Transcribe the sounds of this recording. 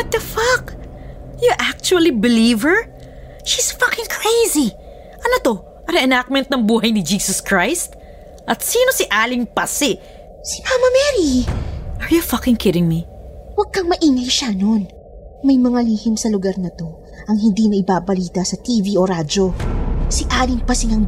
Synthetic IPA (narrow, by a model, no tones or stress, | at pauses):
bɐt̪̚ɐfɐk | juʔak̚t͡ʃuɐlibɪliːvɛɹ | ʃisfʌkɪ̃ŋkʰɹejzi | ʔɐnɐt̪o̞ | ɐɾɛɛnak̚mɛnt̪̚nɐŋbuːɦɐjnɪd͡ʒiːsɐskɹajst̪̚ | ʔɐt̪siːnosiʔaːlɪŋpɐsɪ | sɪʔamɐmɛɾiʔɐɹjufʌkɪ̃ŋkʰɪɾɪŋmiwɐɡ̚kɐŋmɐʔiːŋajʃanon | mɐjmɐŋaliːhɪmsɐlʊɡɐɾnɐt̪o̞ | ʔɐŋɦɪnd̪inɐʔɪbaːbɐliːt̪ɐsɐt̪iːvioɾad͡ʒo̞siʔaːlɪŋpɐsɪŋɐŋ